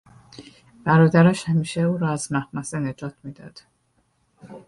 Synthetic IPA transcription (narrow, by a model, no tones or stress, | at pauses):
b̥æɾɒːd̪æɾæʃhæmiːʃeuːɾɒːæzmæhmæsene̞d͡ʒɒːt̪ʰmiːd̪ɒ̰d̪̥